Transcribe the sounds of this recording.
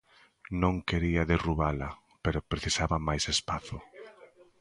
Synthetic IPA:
nõŋkeɾiɐðeruβalɐ | peɾʊpɾeθisaβɐmajsespaθʊ

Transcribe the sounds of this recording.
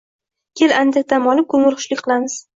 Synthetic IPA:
kʲʰeland̪ak̚ʲt̪amɒlɪp̚kʰɵŋɪlˠχʰʊ̥ʃlɪkʲqʰɨlˠamɪz̥

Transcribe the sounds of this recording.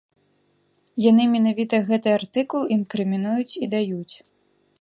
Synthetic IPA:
janɨmʲɛnavʲit̪ɐɣɛt̪ɨart̪ɨkulˠinkɾɨmʲinujut͡sʲid̪ajut͡sʲ

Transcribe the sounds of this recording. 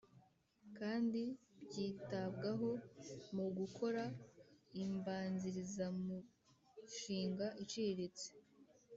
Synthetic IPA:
kaːndibɟiːtabɡaɦo̞muɡukʰo̞ɾa | imbaːnziɾizamu | ʃiːŋɡaʔit͡ʃiɾet͡se̥

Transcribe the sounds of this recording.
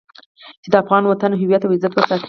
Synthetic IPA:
t͡ʃed̪əafɣɑnwat̪anɦɪwjat̪awɪzat̪wəɾsɑt̪

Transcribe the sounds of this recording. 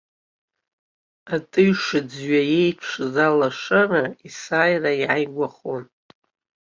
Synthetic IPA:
atʼɨɥʂɨd͡zɥaje̞jpʰʂzalaʂaraisaːjraiʕajɡʷaχon

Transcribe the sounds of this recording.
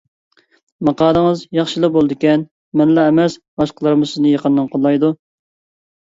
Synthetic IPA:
mɑqɑːd̪əŋəzjɑχʃilˠəq̚bolˠd̪ɪkʲɛn | mɛnlɛemɛsbɑʃqəlˠɨɾɨmʊsɨznɨjɑqənːɨnqʰolˠːɑjd̪u

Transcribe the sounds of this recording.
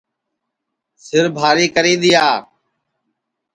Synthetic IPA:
sɪɾbʱaːɾiːkəɾiːd̪ɪjaː

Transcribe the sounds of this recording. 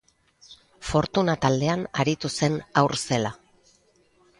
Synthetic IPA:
fo̞ɾt̪unat̪ald̪e̞anaɾit̪use̞nawɾse̞la

